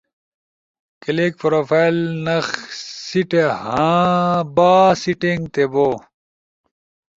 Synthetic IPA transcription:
kelek̚pɾoːfajlnɐxsiʈehã | baːsiʈeŋɡt̪eboː

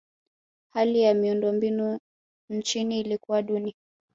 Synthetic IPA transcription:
halijamiundɔmbinu | n̩t͡ʃiniːlikuwaɗuni

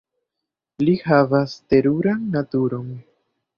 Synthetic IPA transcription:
lihavaste̞ɾuɾanːatuɾo̞n

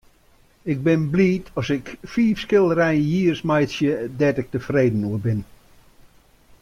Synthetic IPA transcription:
ɪk̚bɪnbliːtʰɔsɪkfiːfskɪlˠrɛjənjiːrsmajtsjədɛtɪk̚təfreːdən̩uəbɪn

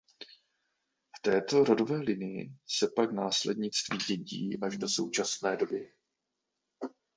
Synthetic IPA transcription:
ft̪ɛːt̪o̞ɾo̞do̞vɛːlɪnɪjɪ̰sɛpaknaːslɛ̰dɲɪt͡st̪viːɟɛɟḭːʔaʒdo̞so̞̰wt͡ʃasnɛːdo̞bɪ

